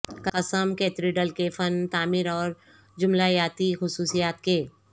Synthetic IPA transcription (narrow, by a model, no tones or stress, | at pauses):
kɐsəmkeːt̪ɾiɖəlkefɐnt̪aːmɪɾɔːɾ | d͡ʒʊmlajaːt̪ixʊsuːsijaːt̪keː